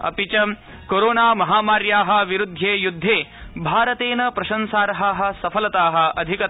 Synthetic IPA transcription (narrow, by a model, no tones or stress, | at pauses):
ɐ̰pit͡ʃɐm | koɾoːnaːmɐɦaːmaːɾjaːɦɐ̆ʋiɾud̪ʱːeːjud̪ʱːeːbʱaːɾɐt̪eːnɐpɾɐʃɐnsaːɾɐɦaːɦɐ̆sɐpʰɐlɐt̪aːɦɐ̆ɐd̪ʱikɐ